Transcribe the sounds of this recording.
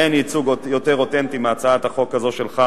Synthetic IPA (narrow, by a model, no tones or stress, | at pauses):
enit͡suɡjot̪eʁot̪ent̪imeat͡saat̪aχo̞kːazo̞ʃelχa